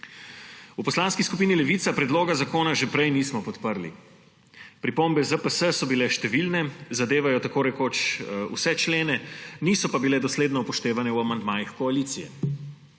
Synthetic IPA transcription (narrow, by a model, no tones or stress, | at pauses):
upɔslaːnskiskupiːnilɛʋiːt̪sapɾɛd̪loːɡazakoːnaʒɛpɾɛjniːsmɔpɔt̪pəɾlḭ | pɾipombɛzəpəsəsɔbilɛʃt̪ɛʋilnɛzad̪eːʋajɔt̪akoːɾɛkoːt͡ʃṵsɛt͡ʃleːnɛniːsɔpabilɛd̪ɔsleːd̪nɔpɔʃt̪eːʋanɛuamand̪maːjixkɔaliːt̪sijɛ̰